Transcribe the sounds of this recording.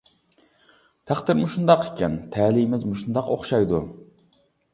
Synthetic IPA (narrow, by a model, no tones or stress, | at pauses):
t̪ʰæχt̪ɪɾmuʃund̪ɑqʰekʲɛnt̪ʰɛːlimɪzmuʃund̪ɑqo̰χʃɑjd̪u